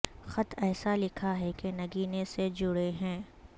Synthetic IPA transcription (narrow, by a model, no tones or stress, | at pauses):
xɐt̪ʰɛːsalɪkʰaɦɛkenɐɡiːnesed͡ʒʊɽeɦɛ̃ː